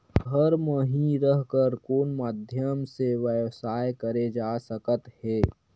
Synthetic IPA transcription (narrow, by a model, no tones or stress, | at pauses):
ɦəɾməɦiɾəɦkəɾkoːnmaːd̪ʱjəmseʋəsaːjkəɾed͡ʒaːsəkət̪heː